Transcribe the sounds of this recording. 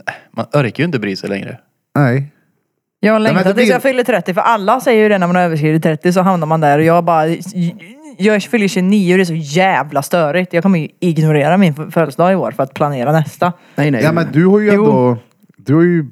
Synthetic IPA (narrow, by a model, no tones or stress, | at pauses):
ma̰nœɾkajɵɪnt̪əbɾiːsɛ̰lɛ̰ŋɾə̰ | nɛ | jɑːɡhalɛŋt̪at̪ɪjɑːfʏlːət̪ʰɾɛt̪ːɪfœɾʔalːasɛjːəjəd̪ɛnæɾmanaɾøːvəʂ̬kɾiːvɪt̪t̪ːʰɾɛt̪ːɪs̬ɔɦamnaɾmand̪æɾɔjɑːɡbɑːɾa | jɑːɡæ̥fʏlːəɕʉniːʊɔd̪ɛs̬ɔjæːvlast̪œːɾɪt̪jɑɡkʰɔmːəjɪɡnʊɾeːɾamɪnfœlsd̪ɑːɪoːɾfœɾat̪̚pʰlaneːɾanɛst̪a | nɛɛjamɛnd̪ʉhaɾjʉɛjnʊːd̪ɔ | d̪ʉhajɵ